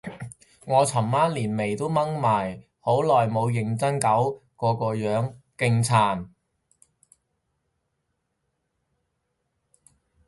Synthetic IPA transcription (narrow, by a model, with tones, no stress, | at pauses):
ŋɔː˨˧t͡sʰɐ˨˩mmaː˥nliː˨˩nme˨˩jt̪o˥wmɐ˥ŋmaː˨˩j | ho˨˥wlɔː˨˩jmo˨˧wjɪ˨˧ŋt͡sɐ˥ŋkɐ˨˥wkɔː˧kɔː˧jœː˨˥ŋkɪ˧ŋt͡sʰaː˨˩n